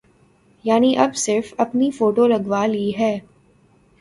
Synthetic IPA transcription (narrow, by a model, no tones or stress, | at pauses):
jaːniʔɐbsɪɾfɐpnifoːʈolɐɡʋaliɦɛː